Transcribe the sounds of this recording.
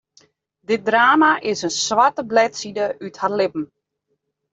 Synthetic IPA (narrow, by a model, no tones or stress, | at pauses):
dɪt̚draːmaʔɪsənswatəblɛtsidəytharlɪpm̩